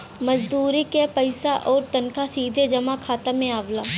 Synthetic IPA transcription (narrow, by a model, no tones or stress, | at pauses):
mɐd͡ʒd̪uːɾikepɐɪsaʔɔːɾt̪ɐnkʰasiːd̪ʱed͡ʒɐmakʰaːt̪amẽaːʋlaː